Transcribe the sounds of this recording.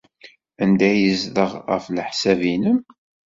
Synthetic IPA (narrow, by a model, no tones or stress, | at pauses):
ænd̪æjəzðəʁʁə̰flħsævinəm